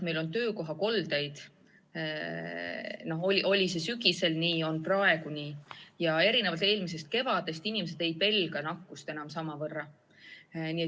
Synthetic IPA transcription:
me̞jlont̪ø̞ːko̞ɦɑko̞ld̪̥ejd̪̥ | no̞ɦo̞liʔo̞lʲise̞syɡise̞lniːo̞nprɑe̞ɡuniːjɑe̞ɾinevɑlt̪e̞ːlmis̬e̞st̪̚ke̞vɑd̪̥e̞st̪inime̞s̬e̞d̪e̞j̪̚pe̞lɡ̥ɑnɑkːust̪e̞nɑmsɑmɑvɤrːɑ | nie

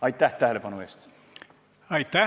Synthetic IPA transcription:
ɑjt̪ˑːæht̪æɦelepɑnue̞ːst̪ | ɑjt̪ːæ

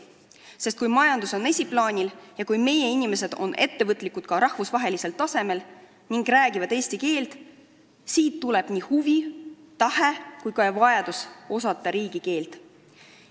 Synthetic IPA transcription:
sest̪kujmɑjɑnd̪uso̞ne̞sʲiplɑːnʲiljɑkujme̞je̞inʲime̞se̞d̪̥o̞̰nʔe̞t̪ːe̞vɤt̪ːˑlikud̪̥̚kɑɾɑhvusvɑɦe̞lise̞lt̪ɑse̞me̞l | niŋɡræːɡivɑd̪̥e̞ːsʲt̪ike̞ːlt̪ | siːt̪ːule̞b̥nihuvi | t̪ɑhekujkɑvɑjɑd̪̥uso̞sɑt̪ːˑɑɾiːɡ̥ike̞ːlt̪

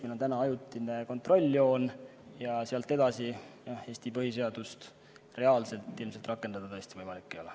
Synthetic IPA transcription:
minɑt̪ænɑɑjut̪ˑːineko̞nt̪ˑro̞lʲːo̞ːnjɑsiɑlt̪ːˑe̞d̪̥ɑsijɑe̞ːsʲt̪ipɤɦis̬e̞ɑd̪̥ust̪ | re̞ɑːlse̞lt̪ːˑilmse̞lt̪rɑkːˑend̪ɑd̪̥ɑt̪ɤ̞est̪ivɤjmɑlikːejo̞le

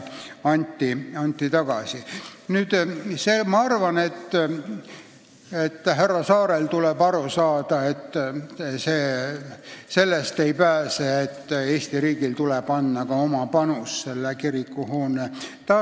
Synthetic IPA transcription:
ɑnʲt̪ʲːiɑnʲt̪ʲːit̪ɑɡ̥ɑsinyːd̪̥semɑɑrvɑne̞t̪ː | et̪ːɦærːɑsɑːɾelt̪ulebɑɾusɑːd̪̥ɑe̞t̪ːseː | se̞lːest̪e̞jpæːseet̪ːeːsʲt̪iɾiːɡ̥ilt̪ulɛb̥ɑnːɑkɑo̞mɑpɑnusːelːekiɾikːuhoːnet̪ɑ

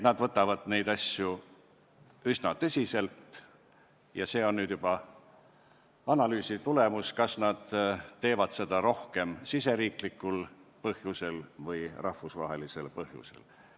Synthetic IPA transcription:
et̪nɑd̪vɤt̪ːˑɑvɑd̪̥ne̞jd̪̥ɑsju | ysnɑt̪ɤsʲise̞lt̪ | jɑse̞ːo̞nːyːd̪̥jub̥ɑ | ɑnɑlyːsit̪ule̞muskɑsnɑd̪̥t̪ːe̞ːvɑd̪̥se̞d̪̥ɑɾo̞hke̞msise̞ɾiːklikːˑulpɤhjuse̞lvɤjrʔɑhvusvɑ̰ɦe̞lise̞lpɤhjṵsḛl

